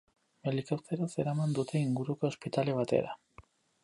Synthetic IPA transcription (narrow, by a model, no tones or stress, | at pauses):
melikawt̪eɾose̞ɾamand̪ut̪e̞iŋɡuɾukoːspit̪aleβ̞at̪e̞̰ɾa